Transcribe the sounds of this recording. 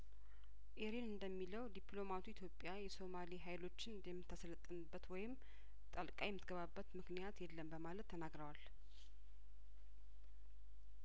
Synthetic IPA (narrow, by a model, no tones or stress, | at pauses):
ʔeɾinɨnd̪əmːiləwd̪iplo̞mat̪ʰuit̪ʰjo̞pʼːjajɛso̞maliɦajlo̞t͡ʃːɪnɨnd̪ɛmːɨt̪ʰːasələt̪ʼːənɨbːət̪wɔjɪm | t̪ʼəlkʼajɛmːɨt̪ɡəβabːət̪mɨknijat̪jɛlːənbəmalət̪ʰːənaɡɾəwal